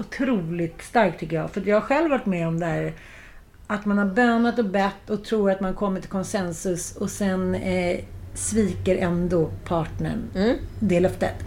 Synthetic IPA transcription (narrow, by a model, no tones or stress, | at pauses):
ʊt̪ʰɾuːlɪt̪st̪aɾk̚t̪ʰːʏkːəjɑ̰ːɡfœɾat̪jɑhaɾɧɛlvːaʈmɛɔmd̪ɛɦæːɾ | at̪manhaɾbøːnat̪ɔbɛt̪ːɔt̪ʰɾuːɾat̪mankʰɔmːəʈʰɪlkʰɔnsɛnsɵsɔsɛn | sviːkəɾʔɛnd̪ɔpʰɑːʈɳə̰ɳd̪ɛlœft̪ə̰t̪